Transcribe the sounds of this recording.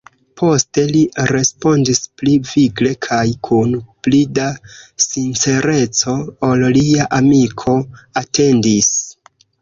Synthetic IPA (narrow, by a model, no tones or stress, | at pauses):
pʰo̞ste̞liɾe̞spo̞ndispliviɡle̞kʰajkʰunplidasint͡se̞ɾe̞t͡so̞ːlliaʔamikʰo̞ate̞ndis